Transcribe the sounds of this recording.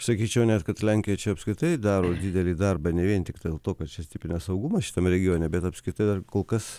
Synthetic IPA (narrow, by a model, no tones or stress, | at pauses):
sɐkʲiːt͡ʃʲɛʊnʲɛt̪kɐt̪lʲæŋʲkʲɪjɛt͡ʃʲɛɐpskɾʲɪt̪ɐɪd̪ɑːɾoːd̪ʲid̪ʲɛlʲiːd̪ɐrbɐnʲɛʋʲiɛnt̪ʲɪkt̪ɐlˠt̪oːkɐt̪t͡ʃʲɛsʲtʲɪpʲɪnʲɛsɐʊɡumɐʃʲɪ̥t̪ɐmɾʲɛɡʲɪjoːnʲɛbʲɛt̪ɐpskɾʲɪt̪ɐɪd̪ɐrkoːlˠkɐs